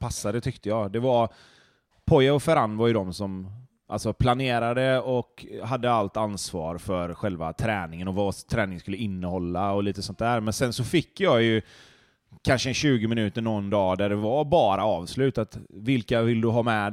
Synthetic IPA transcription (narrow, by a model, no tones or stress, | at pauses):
pʰasːad̪ət̪ʰʏkt̪əjɑːd̪ɛvaɾ | pʰɔjaɔfɛɾanːvaɾjɵd̪ɔmsɔm | ʔa̰lsɔpʰlaneːɾad̪əɔkɦad̪ːəalt̪ansvɑ̰ːɾfœɾɧɛlva̰t̪ʰɾɛːnɪŋənɔvat̪ʰɾɛːnɪŋəskɵlːəɪnːəhɔlːaɔliːt̪əsɔnt̪̚d̪æːɾmɛnsɛnsɔfɪkːjɑːjɵ | kʰanʂənɕʉ̟ːɡəmɪnʉ̟ːt̪əɳɔnd̪ɑːd̪æɖɛvabɑːɾaɑːvslʉ̟ːt̪at̪vɪlkavɪld̪ɵɦɑːmɛ